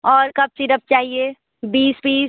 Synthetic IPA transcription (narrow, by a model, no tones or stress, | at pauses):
ɔːɾkɐb̚t͡ʃiɾəb̚t͡ʃaːɦie | biːsbiː